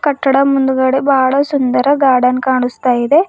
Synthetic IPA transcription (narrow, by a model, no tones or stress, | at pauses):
kɐʈːɐɽɐmund̪uɡɐɽebaːɭɐsund̪ɐɾɐɡaːɽɐnkaːɳust̪aːjid̪e